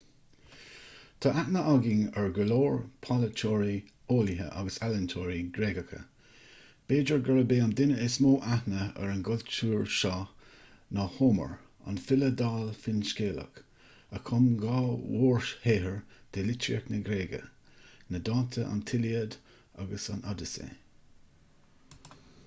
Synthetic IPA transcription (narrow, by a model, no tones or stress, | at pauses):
t̪ʰɑʔaʔnəʔaɡɪŋəɹɡəloːɹpʰalət͡ʃʰɔːɹi | oːlɪɦə̰ʔa̰ɡəsaləntʰoːɹiɡɾeːɡəkʰə̰ | b̥eːd͡ʒəɹɡəɾəbeːand̪ɪnəɪsmoːʔahnəə̰ɹənɡʊlt͡ʃuːɹʃɑ | nɔhoːmə̰ɹ | a̰nfɪləd̪aːlfɪnskeːlə̰k | əkʰʊmɡɑːwoːɹʃheːɦəɹd̪̥elɪtiəknəɡɾeːɡə̰nəd̪ɑːnt̪ʰəʔa̰nt̪ʰɪliəd̪ | a̰ɡəsanad̪əsḛː